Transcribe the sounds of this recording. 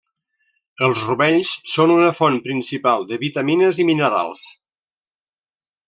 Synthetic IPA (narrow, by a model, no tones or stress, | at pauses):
əlˠzruβɛʎssonunəfɔnpɾinsipalˠd̪əβit̪əminəziminəɾa̰lˠs